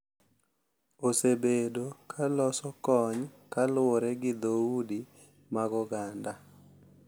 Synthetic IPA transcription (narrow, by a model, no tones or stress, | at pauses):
osebedokʰalɔsɔkɔɲkalwɔɾɛɡɪd̪oudi | maɡɔɡanda